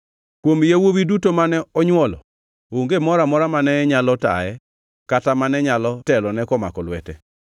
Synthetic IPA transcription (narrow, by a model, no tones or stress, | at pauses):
kwomjawowidutomanɛɔɲwɔlɔ̰ | oŋɡemɔɾamɔɾamanɛɲalɔta̰ɛ | katamanɛɲalɔtɛlɔnɛkɔma̰kɔlwɛtɛ̰